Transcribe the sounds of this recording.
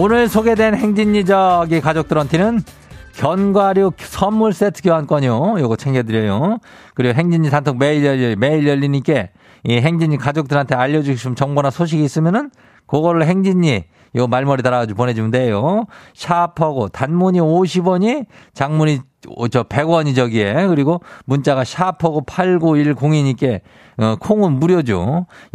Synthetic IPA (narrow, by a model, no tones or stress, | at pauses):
onɯɭsʰoɡe̞dwe̞nhe̞ŋd͡ʑiɲːid͡ʑʌɡikad͡ʑok̚t͈ɯɾʌntʰinɯn | kjʌnɡwaɾjosʰʌmːuɭs͈e̞tʰɯ̥kjoɦank͈ʌɲjojoɡʌt͡ɕʰeŋɡjʌdɯɾjʌjo | kɯɾiɡoɦe̞ŋd͡ʑiɲːitantʰok̚me̞iʎjʌme̞iɭjʌʎːiɲik͈e̞ | iɦe̞ŋd͡ʑiɲːikad͡ʑok̚t͈ɯɾɦantʰe̞aʎːʌd͡ʑumt͡ɕʌŋbonasʰoɕ̬ʰiɡiːs͈ɯmjʌnɯn | kʌɡʌɾɯɦe̞ŋd͡ʑiɲːi | jomaɭmʌɾitaɾaɡad͡ʑopone̞d͡ʑimɯnde̞joɕʰapʰaɡotanmoɲioɕʰibwʌɲit͡ɕaŋmuɲi | t͡ɕʌpe̞ɡwʌɲid͡ʑʌɡie̞kɯɾiɡomunt͡ɕ͈aɣaɕʰapʰaɡopʰaɭɡoiɭkoŋiɲik͈e̞ | ɯkʰoŋɯnmuɾjʌd͡ʑo